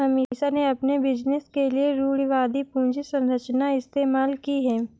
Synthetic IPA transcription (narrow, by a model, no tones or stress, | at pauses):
ɐmiːsaneɐpnebɪd͡ʒnɪskelieɾuːɽiʋaːd̪ipũːd͡ʒisɐ̃nɾət͡ʃnaɪst̪eːmaːlkiɦɛː